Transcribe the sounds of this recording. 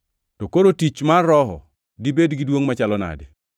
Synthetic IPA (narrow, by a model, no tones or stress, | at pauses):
tokoɾotit͡ʃmarːɔɦɔ̰ | dibedɡidwoŋmat͡ʃalɔna̰de